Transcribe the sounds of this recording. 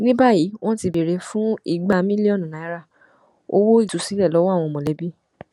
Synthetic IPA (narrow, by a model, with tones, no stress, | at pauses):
nĩ˦ba˦˨ji˨˦w̃ɔ̃˦ti˧be˨ɾe˧fũ˦i˦˨ɡ͡ba˦˨mĩ˦li˦ɔ˦˨nũ˨nã˨˦ɾa˦˨ | o̰˦wo˦i˦˨tu˨˦si˨˦lɛ˦˨lɔ˨˦wɔ˦a˦˨w̃ɔ̃˧˨mɔ̃˨lɛ˨˦bi˦